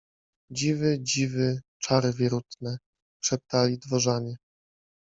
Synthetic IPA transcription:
d͡ʑivɘd͡ʑivɘt͡ʂaɾɘvʲjɛɾut̪nɛ | ʂɛp̚t̪alʲid̪vɔʐaɲɛ

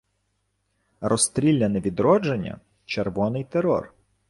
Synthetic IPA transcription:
rɔst̪ɾʲilʲːɐneʋʲid̪ɾɔd͡ʒenʲːɐ̰ | t͡ʃerʋɔnɪjt̪eɾɔ̰r

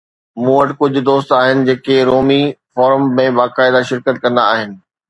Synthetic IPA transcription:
mũːəʈkʊd͡ʑʱʊ̆d̪oːst̪aːɦɪnɪ̆d͡ʑeːkeɾoːmifɔːɾəmːẽbaːkaːɪd̪aʃɪɾkət̪̚kɐ̃nd̪aːɦɪnɪ̆

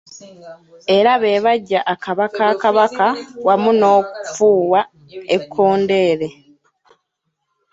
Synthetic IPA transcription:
e̞ɾaβe̞ːβaɟːaʔːkaβakaːkaβakawamuno̞ːku̥fuːwa | ekʰːo̞ːnde̞ːɾe̞

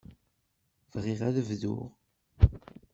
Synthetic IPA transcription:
vʁiʁæðəvðʊ̰ʁ

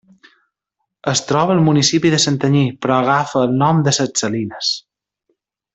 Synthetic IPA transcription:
əst̪ɾɔβəːlˠmunisipiðəsənt̪əɲipɾɔəɣ̞afəːlˠnɔmd̪əsət͡səlinəs

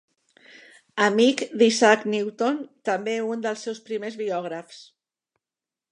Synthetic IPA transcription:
əmikd̪isakniwt̪ont̪əmbeund̪əlˠsːɛwspɾimezβiɔɣ̞ɾəfs

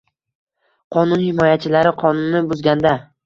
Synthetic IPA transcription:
qʰɒnʊnhɪmɒjat͡ʃʰɪlaɾɪqʰɒnʊnːɪbʊzɡʲand̪a

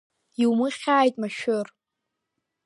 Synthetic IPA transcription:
iwmɨχʲaːjtʼmaʃʊr

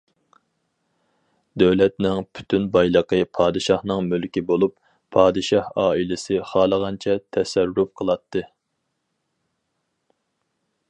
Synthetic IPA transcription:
d̪øwlɛt̪nɪŋpʰy̥t̪ʰynbɑjlˠəqəpʰɑːd̪ɨʃɑhnɨŋmylkʲibolˠupʰː | ɑːd̪ɨʃɑhɑːilɪsɨχɑːlˠəʁɑnt͡ʃʰɛt̪ʰɛsɛɾːup̚qʰəlˠɑt̪ʰːɨ

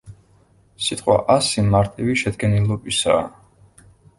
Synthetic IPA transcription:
sit̪ʼqʼwa̰ʔasimaɾt̪ʼiviʃɛd̪ɡɛnilˠɔbisaː

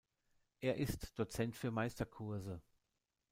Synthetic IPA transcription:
ʔeːɐʔɪstd̥ot͡sɛntfyːɐmaɪstɐkʰʊɐzə

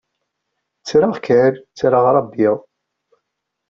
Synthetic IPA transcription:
t͡sːɾaʁkʕəɾt͡sːɾaʁɾˤɑbːiðˤ

